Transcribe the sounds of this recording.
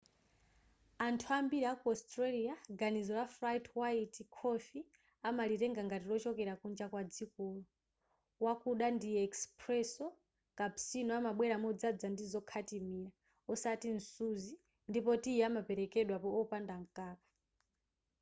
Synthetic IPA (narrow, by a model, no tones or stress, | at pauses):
antʰuambiɾiakuɔstɾaliaɡanizɔlafɾajtwaitikʰɔfi | amaliɾɛŋɡaŋɡatilɔt͡ʃɔkɛɾakund͡ʒakwad͡zikuːlu | wakuɗandiɛkspɾɛsɔ | kapsinɔamaɓwɛɾamɔd͡zad͡zandizɔkʰatimiɾa | ɔsatin̩suzi | ndipɔtiamapɛɾɛkɛɗwapɔɔpandaŋkaːkḁ